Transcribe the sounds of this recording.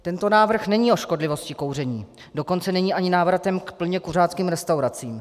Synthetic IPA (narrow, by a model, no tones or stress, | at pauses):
t̪ɛnt̪o̞naːvr̩xnɛɲiːo̞ʃko̞dlɪvo̞scɪko̞wrɛɲiː | do̞ko̞nt͡sɛnɛɲiːʔaɲɪnaːvɾat̪ɛmkpl̩ɲɛkur̝aːt̪t͡skiːmɾɛst̪awɾat͡siːm